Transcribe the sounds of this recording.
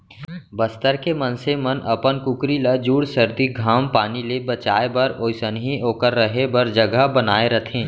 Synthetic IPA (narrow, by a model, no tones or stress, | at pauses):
bəst̪əɾkemɐnsemɐnʔɐ̰pənkʊkɾiləd͡ʒuːɽsəɾd̪iɡʱaːmpaːnilebɐt͡ʃa̰ːebɐɾoːɪsənɦioːkəɾːəɦebəɾd͡ʒəɡəɦbənaːeɾət̪ʰẽː